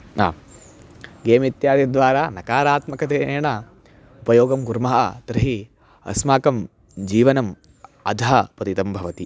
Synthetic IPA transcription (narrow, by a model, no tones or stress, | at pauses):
a̰ː | ɡeːmit̪jaːd̪jɐd̪ʋaːɾaːnɐkaːɾaːt̪mɐkɐt̪eːɳɐ | upɐjoːɡɐmɡuɾmɐɦɐ̰t̪ɾɐɦi | ɐ̰smaːkɐm | d͡ʒiːʋɐnɐm | ɐ̰d̪ʱɐɦɐpɐt̪it̪ɐmbʱɐʋɐt̪i